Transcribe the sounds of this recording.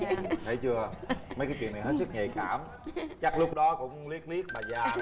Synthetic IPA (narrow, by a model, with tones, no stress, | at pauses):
t̪ʰḛ˧˩t͡ɕɨ˧əmə˨˦jkaː˨˦t̪i˨˩ənːa˨˩jɦe˦˥t̚sɨ˦˥k̚ŋe˨˩kaː˧˩m | t͡ɕa˦˥k̚lʊ˦˥k͡p̚ɗɔ˨˦kʊ̰˧˥ŋ͡mli˦˥ək̚li˦˥ək̚maː˨˩zaː˧˩